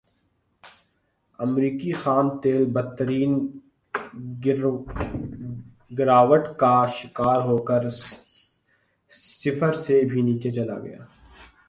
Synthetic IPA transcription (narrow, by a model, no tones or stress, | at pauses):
ɐmɾiːkixaːnt̪eːlbət̪ːəɾiːn | ɡɪɾaːʋəʈkaʃɪkaːɾɦoːkəɾ | sɪfəɾsebʱiniːt͡ʃet͡ʃɐla̰ɡɐ̰ja̰ː